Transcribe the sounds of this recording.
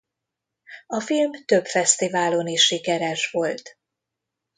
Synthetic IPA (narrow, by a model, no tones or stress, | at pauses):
ɒfilmt̪ø̞bfɛst̪ivaːlo̞niʃːikɛɾɛʃʋo̞lt̪